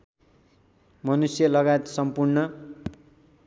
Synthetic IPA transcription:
mʌnusjʌlʌɡajet̪sʌmpurnʌ

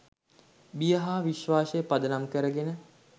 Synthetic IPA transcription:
bijəɦaːʋiʃʋaːsəjəpad̪ənamkəɾəɡenə

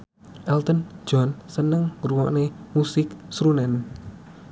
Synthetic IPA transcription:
ʔɛlt̪ən̥d͡ʒ̥ɔnsənəŋɾuwɔʔnemusɪksɾunɛn

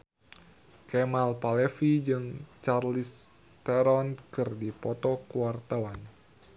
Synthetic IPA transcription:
kɛmalpalefid͡ʒɨŋt͡ʃarlis | t̪ɛɾɔnkɨrdipɔt̪ɔkuwart̪awan

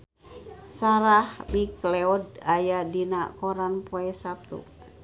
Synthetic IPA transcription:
saɾahbiklɛɔdajadinakɔɾanpoɛsap̚t̪ṵ

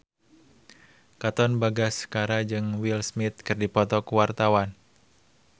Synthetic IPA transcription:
kat̪ɔnbaɡaskaɾad͡ʒɨŋwilsmit̪̚kɨrdipɔt̪ɔkuwart̪awan

